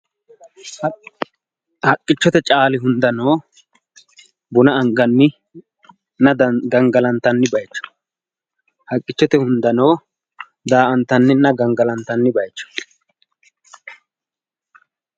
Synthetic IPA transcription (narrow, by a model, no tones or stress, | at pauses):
hɐkʼːɪt͡ʃːɔt̪ɛt͡ʃʼaːlɪɦʊnd̪ɐno̞ː | bʊnɐɐŋɡɐnːɪ | nɐd̪ɡɐŋɡɐlɐnt̪ːɐnːɪbɐjt͡ʃːɔ̥ | hɐkʼːɪt͡ʃːɔt̪ɛhʊnd̪ɐno̞ː | d̪aːʔɐnt̪ːɐnːɪnɐɡɐŋɡɐlɐnt̪ːɐnːɪbɐjt͡ʃːɔ̥